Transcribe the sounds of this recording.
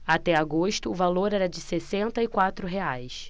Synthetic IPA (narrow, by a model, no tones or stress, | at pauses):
at̪ɛaɡoʃt̪ʊːvaloɾɛɾɐd͡ʒɪsesẽnt̪ɐɪkwat̪ɾʊɦeajs